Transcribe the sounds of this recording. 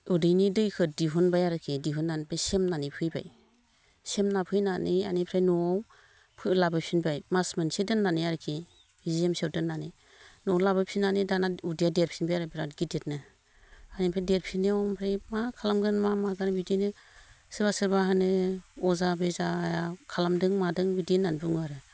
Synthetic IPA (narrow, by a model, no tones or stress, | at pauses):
udɯjnidɯjkʰɯdiɦunbajaɾɯkʰidiɦunːanibʰajsemnanipʰɯjba̰j | semnapʰɯjnanʔia̰nipʰɾajnɔ | pʰɯlabɯpʰinbʰajmasmɯnsedɯnːanijaɾɯkʰi | hiziemsewdɯnːani | nɔwlabɯpʰinanidanaudijadeɾpʰinbajaɾɯbiɾatɡidet̚nɯ | anipʰɾajdeɾpʰiniɔmpʰɾajmakʰalamɡɯnmamaɡanɯbidinɯ | sɯbasɯɾbaɦanɯɔzabezaːjakʰalamdɯŋmadɯŋbidinanbɯŋaɾɯ